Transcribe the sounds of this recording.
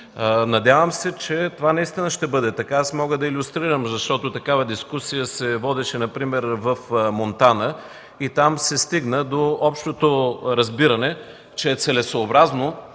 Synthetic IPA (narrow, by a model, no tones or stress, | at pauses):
nɐd̪ʲjavəmsɛt͡ʃɛt̪ovanɐist̪inəʃt̪ɛbɤd̪ɛt̪ɐkaasmɔɡəd̪ɐilʲʊst̪ɾiɾəmzɐʃt̪ɔt̪ot̪ɐkavɐd̪iskusijəsɛvɔd̪ɛʃɛnɐpɾimɛɾvɐfmont̪anə | it̪amsɛst̪iɡnəd̪oɔpʃt̪ot̪oɾɐzbiɾɐnɛ | t͡ʃɛɛt̪sɛlɛsoːbɾazno